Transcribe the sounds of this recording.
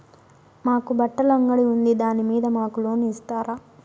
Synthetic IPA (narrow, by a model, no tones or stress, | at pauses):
maːkubɐʈːɐlɐŋɡɐɽiund̪id̪aːnimiːd̪ɐmaːkulo̞ːniːst̪aːɾaː